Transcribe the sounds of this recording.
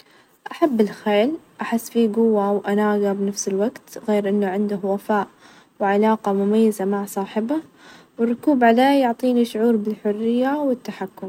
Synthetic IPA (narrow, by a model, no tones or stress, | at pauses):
ʔaħabːɪlxeːlʔaħɪsːfiɡʊwːawʔanaːɡabnafsɪlwaɡt̪ɣeːɾʔɪnːaʕɪnd̪ʊhwafaːʔ | wʕalaːqɑmʊmajːazamaʕsˤɑːħɪba | wɪrˤːʊkuːbʕaleːjʊʕt̪ˤiːniʃʊʕuːɾbɪlħʊrːɪjːawɪt̪ːaħakːʊm